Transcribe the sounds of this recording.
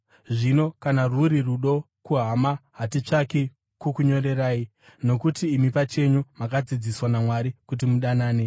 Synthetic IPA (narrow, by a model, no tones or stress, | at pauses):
ʐino̞kanaruɾiruɗo̞ | kuɦamaɦatit͡ʂaki | kukuɲo̞ɾe̞raːi | no̞kutiːmipat͡ʃe̞ɲumakad͡zid͡ziswanamwaɾikut̬imuɗanaːne̞